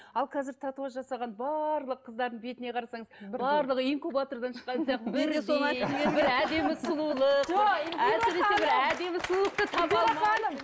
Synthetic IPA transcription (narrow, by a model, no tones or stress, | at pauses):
ɑlˠkʲʰɑzɪɾt̪ʰɑt̪uɑʒɑsɑʁɑnbɑɾlˠəqʰːəzd̪ɑɾd̪əɴbe̞t̪ɪne̞qʰɑɾɑsɑɴəzbɑɾlˠəʁəiŋkubat̪o̞ɾd̪ɑnʃə̥qːɑnsjɑqbɪɾsobɪɾæd̪e̞mɪsʊlˠulˠəqʒæsɪɾe̞sebɪɾæd̪e̞mɪsəlˠulˠəq̚t̪ət̪ʰɑpɑlˠm